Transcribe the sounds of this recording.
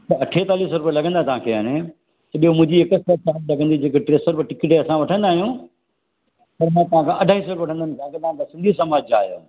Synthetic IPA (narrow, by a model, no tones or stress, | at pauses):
t̪ɐɐʈʰet̪aːliːsɾʊpijelɐɡʱə̃nd̪at̪ɐʋ̤ãkʰeːaːne | t̪ɐɓijomʊ̃ɦɪ̃ɲd͡ʑiɪkəst̪ɐɾ̚t͡ɕaːnlɐɡʱə̃nd̪id͡ʑeːkeʈɾeːsəɾpʈɪkɪʈeɐsãʋɐʈʰə̃nd̪aːɦijũ | pɐɾmãːt̪ɐʋ̤ãkʰãʔɐɖʱaːɦisəɾʋɐʈʰə̃nd̪ənɪ̃̆kʰãket̪ɐʋãk̪asɪ̃nd̪ʱisɐmaːd͡ʑaːɦijo̰ː